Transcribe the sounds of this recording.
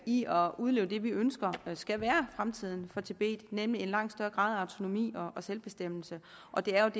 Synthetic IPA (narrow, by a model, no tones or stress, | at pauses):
iɒ̽uðˠle̝ːʊd̥e̝ʋiønsɡ̥ɐsɡ̥æʋæːɐfʁamt͡sʰið̞̰ˠn̩fɒ̽t͡sʰe̝b̥e̝̰ːd̥nemlie̝nlɑ̈ŋ̰d̥sd̥ɶɐɡ̥ʁɑ̰̈ːðˠɑ̈ʊt͡sʰo̝no̝mḭːɒ̽ɒ̽selb̥e̝sd̥em̰l̩sə | ʔɒ̽d̥e̝æɐjo̝d